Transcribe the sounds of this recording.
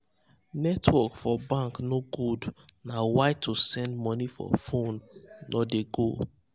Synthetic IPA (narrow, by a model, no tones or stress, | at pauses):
nɛtwɔkfɔbãŋknoɡudnawaɪtʰosɛ̃ndmɔnifɔ̰fõnːodeɡo